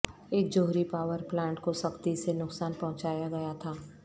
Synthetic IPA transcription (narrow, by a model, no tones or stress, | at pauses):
eːk̚d͡ʒoːɦɾipaːwəɾplɛ̃ːɳʈkosɐkt̪isenʊksaːnpɐɦʊ̃t͡ʃaːjaɡɐjat̪ʰaː